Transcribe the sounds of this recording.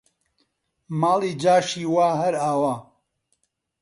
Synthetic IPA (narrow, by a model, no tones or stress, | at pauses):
maːliːd͡ʒaːʃiːwaːɦɐɾaːwaː